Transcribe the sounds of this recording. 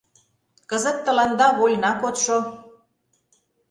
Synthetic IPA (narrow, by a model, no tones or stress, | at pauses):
kə̆zə̆t̪ːə̆lɑnd̪ɑβolʲnɑkot̪ʃo